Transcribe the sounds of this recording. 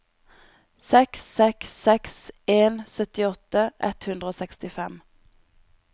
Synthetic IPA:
sɛksɛksːɛkseːnsœt̪ɪɔt̪əʔɛ̰t̪hʉnd̪ʁəoːsɛkst̪ɪfɛm

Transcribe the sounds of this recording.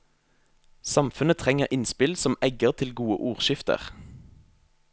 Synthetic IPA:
sɑmfʉnət̪ʰʁɛŋəʁʔɪnspɪlsɔmɛɡəʁt̪ʰɪlɡuːə̰ʔuːʁʃɪft̪ə̰ʁ

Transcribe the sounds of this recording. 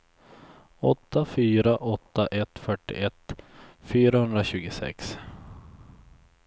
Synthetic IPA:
ɔt̪ːafyːɾaʔɔt̪ːaʔɛt̪ːfœʈːɪ̰ʔɛt̪ːfyːɾahɵnd̪ɾaɕʉ̟ːɡʊsɛ̰ks

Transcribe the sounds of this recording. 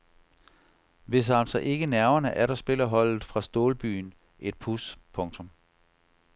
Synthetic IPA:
ʋe̝s̬æl̰sɒʔe̝ɡ̥ənæɐɐnəʔæɐɾɑsb̥e̝l̰ɐɦɒ̽l̰ð̩ˠfʁɑ̈sd̥oːlb̥y̰ːn | ʔe̝d̥̚pʰuspʰɔ̽ŋt͡sʰɔ̽m

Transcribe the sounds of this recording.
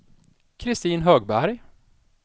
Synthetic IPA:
kʰɾɪst̪iːnɦøːɡbæɾj

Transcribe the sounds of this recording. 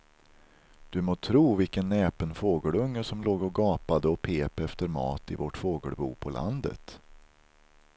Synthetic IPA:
d̪̥ɵmoːt̪ʰɾuːvɪlkənːɛːpənfoːɡəɭɵŋːəʂɔmloːɡɔɡɑːpad̪əɔpʰeːpɛft̪əɾmɑ̰ːt̪ɪ̰vɔʈfoːɡəɭbṵːpʰɔlʔa̰nd̪ə̰t̪

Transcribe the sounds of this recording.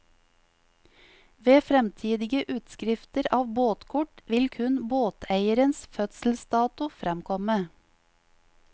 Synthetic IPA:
ʋeːfɾɛmt̪ʰiːd̪ɪɡəʔʉːt̪skɾɪft̪əɾɑːʋboːt̪kʰʊʈʋɪlkʰʉnboːt̪ʰæɪəɾənsfœt̪sl̩st̪ɑːt̪ʊfɾɛmkʰɔmə

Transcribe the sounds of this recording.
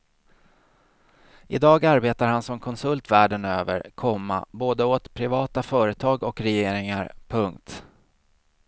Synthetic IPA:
ɪ̰d̪ɑːɡaɾbeːt̪aɾhansɔmkʰɔnsɵlt̪væːɖənøːvə̰ɾkʰɔmːa̰boːd̪əoːt̪pʰɾɪvɑːt̪afœːɾət̪ʰɑːɡɔkɾɛjeːɾɪŋaɾpʰɵŋkt̪

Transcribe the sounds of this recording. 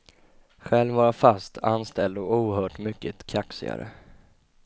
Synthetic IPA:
ɧɛlvɑːɾafast̪ʰanst̪ʰɛld̪ɔuːɾhœːʈmʏkːət̪kʰaksɪ̰a̰ɾə̰

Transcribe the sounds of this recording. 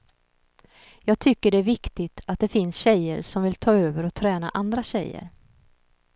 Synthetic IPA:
jɑːɡ̚t̪ʰʏkːəɖɛæɾvɪkt̪ɪt̪ʰat̪̚d̪ɛfɪnsɕɛjə̰ɾʂɔmvɪlt̪ʰɑːøːvəɾɔt̪ʰɾɛːna̰ʔand̪ɾaɕɛjːə̰ɾ

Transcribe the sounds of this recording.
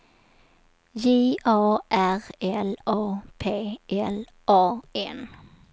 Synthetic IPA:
jiːʔɑːʔæʁɛlɑːpʰeːʔɛl | ʔɑːeːn

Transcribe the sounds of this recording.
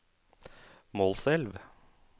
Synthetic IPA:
moːlsɛlʋ

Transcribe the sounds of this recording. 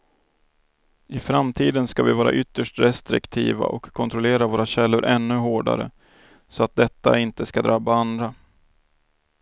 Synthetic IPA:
ɪfɾamt̪ʰiːd̪ənskavɪvɑːɾa̰ʔʏt̪ːəʂʈɾɛst̪ɾɪ̰kt̪ʰḭːva̰ʔɔkʰːɔnt̪ɾɔleːɾavoːɾaɕɛlːʊɾʔɛnːɵɦoːɖa̰ɾə̰ | sɔat̪̚d̪ɛt̪ːa̰ɪnt̪əskad̪ɾabaand̪ɾa

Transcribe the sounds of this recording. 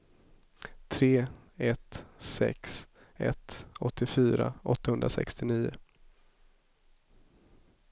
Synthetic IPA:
t̪ʰɾeːɛt̪sɛ̰ks | ɛ̰t̪ɔt̪ʰːɪfyːɾaʔɔt̪ːahɵnd̪ɾasɛ̰kst̪ɪniːʊ

